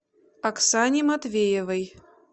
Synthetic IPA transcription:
aksanʲimat̪vʲejɛvɐj

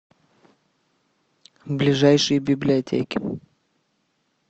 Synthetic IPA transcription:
vblʲɪʐajʂɨjəbʲɪblʲɪɐtʲḛkʲɪ

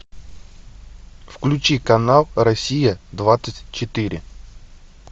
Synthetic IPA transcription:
fklʲʉt͡ɕikɐnalˠrɐsʲijəd̪vat̪sətʲt͡ɕɪt̪ɨɾʲɪ̰

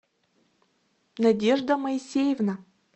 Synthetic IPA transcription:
nɐdʲeʐd̪əmɐisʲejevna

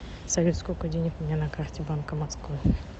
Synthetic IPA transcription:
sɐvʲet̪skojkʊdʲenʲɪkʊmʲnʲanɐkartʲɪbankəmaskvɨ

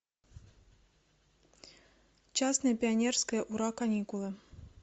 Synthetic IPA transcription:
t͡ʃasnɨjɐpʲianʲɛrskɐjɐʔuɾakanʲikulˠɨ

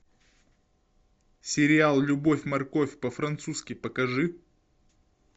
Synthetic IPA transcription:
sʲɪɾʲɪalˠlʲʊbofʲmɐrkofʲpəfɾɐnt̪suskʲɪpəkɐʐɨ

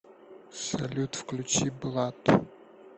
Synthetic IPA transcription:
sɐlʲut̪wklʲut͡ʃiblˠat̪

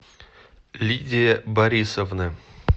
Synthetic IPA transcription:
lʲidʲɪebɐɾʲisovnə

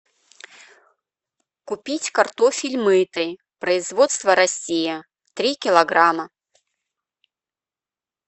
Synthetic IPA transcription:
kʊpʲitʲkɐrt̪ofʲɪlʲmɨt̪ɨj | pɾəɪzvot̪st̪vəɾɐsʲijə | t̪ɾʲikʲɪlˠɐɡɾamə

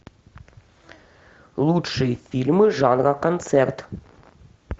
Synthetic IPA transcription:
lˠutʂɨjfʲilʲmɨʐɑnʁɑkont̪sɛrt̪

